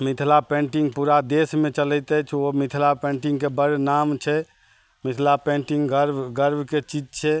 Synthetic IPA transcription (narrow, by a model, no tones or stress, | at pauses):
mit̪ʰlapẽɳʈiŋɡpuɾad̪esmet͡ʃələjt̪ɛt͡ʃʰomit̪ʰlapẽɳʈiŋɡkebəɾnamt͡ʃʰɛ | mit̪ʰlapẽɳʈiŋɡəɾbɡəɾbʱket͡ʃid͡ʒt͡ʃʰɛ